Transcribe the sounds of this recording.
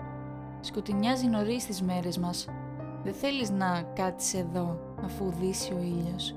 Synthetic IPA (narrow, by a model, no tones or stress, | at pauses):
sko̞t̪iɲɐzino̞ɾist̪izme̞ɾe̞zmɐs | ðeθe̞liznɐkɐt̪i̥se̞ðo̞ | ɐfuðisio̞iʎo̞s